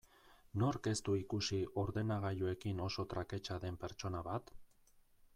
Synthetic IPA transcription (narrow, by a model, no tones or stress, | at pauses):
no̞ɾke̞st̪uikusiʔo̞ɾðe̞naɣ̞aʎue̞kino̞so̞t̪ɾake̞t͡ʃaðe̞mpe̞ɾt͡ʃo̞naβat̪